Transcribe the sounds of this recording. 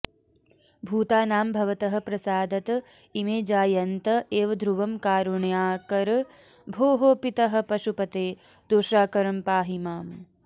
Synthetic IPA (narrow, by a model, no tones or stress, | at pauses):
bʱuːt̪aːnaːmbʱɐʋɐt̪ɐɦɐ̆pɾɐsaːd̪ɐt̪ | imeːd͡ʒaːjɐnt̪ɐeːʋɐd̪ʱɾuʋɐmkaːɾuɳjaːkɐɾ | bʱoːɦopit̪ɐɦɐ̆pɐʃupɐt̪eː | d̪̥oʃɾaːkɐɾɐmpaːɦimaːm